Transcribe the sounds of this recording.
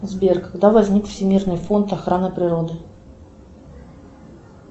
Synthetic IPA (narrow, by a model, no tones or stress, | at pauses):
zʲbʲerkɐɡd̪avɐzʲnʲikfsʲɪmʲirnɨjfo̞nt̪ɐxɾanɨpɾʲɪɾod̪ɨ